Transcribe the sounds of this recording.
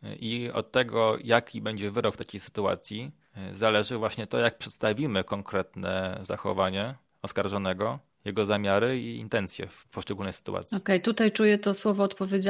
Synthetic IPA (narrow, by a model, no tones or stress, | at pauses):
ʔiɔ̰t̪ːɛɡɔjakʲʰibɛɲd͡ʑɛvɘɾɔkft̪akʲejsɘ̥t̪ua̰t̪sʲji | zalɛʐɘvwaɕɲɛt̪ɔjak̚pʂɛt̪st̪avʲimɘkɔŋkɾɛt̪nɛ̰za̰xɔ̰vaɲɛ | ɔskaɾʐɔnɛɡɔ | jɛɡɔzamʲjaɾɘiḭnt̪ɛnt̪sʲjɛ̰pɔʂt͡ʂɛɡulnɛjsɘ̥t̪ṵʔa̰t̪sjɔkɛjt̪ut̪ajt͡ʂujɛt̪ɔswɔvɔːt̪pɔvʲjed͡ʑa